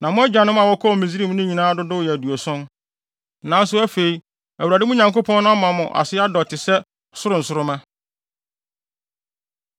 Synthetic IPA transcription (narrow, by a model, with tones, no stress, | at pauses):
nã˨mʊ̃˦æ˦d͡ʑᶣa˨nʊ̃˦m˦a˨wɔ˦kʰɔ˦˨mĩ˨zi˦ɾi˦m˦nʊ̃˦ɲĩ˨nãː˦dʊ˦dʊ˦˨jɛ˨æ˨du˨o˨sʊ̃˦n̩˨ | nã˨˦n˦s̬ʊ˦æ˦fe˨i˦ | æ˨u˨ɾæ˨dɪ˦mʊ̃˦ɲã˨ŋko˦pʰɔ̃˦nʊ̃˦a˦mã˨mʊ̃˨ʔa̰˨sɪ˦a˦dɔ˨tʰɪ˨sɛ˦ | sʊ˦ɾʊ̃˨n̩˨sʊ˦ɾʊ˦mã˦